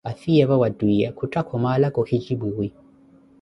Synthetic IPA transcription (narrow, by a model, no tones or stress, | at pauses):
aθiɛβawaduiakʰutakʰɔmalakɔhid͡ʒibuwi